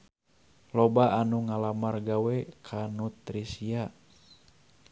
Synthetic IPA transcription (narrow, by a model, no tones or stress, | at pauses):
lobaanuŋalamarɡawɛkʰanut̪ɾisia